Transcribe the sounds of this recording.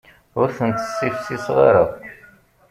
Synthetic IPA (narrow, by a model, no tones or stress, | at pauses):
ʊɾθənt̪ə̥sːifsisʁɑ̰ɾa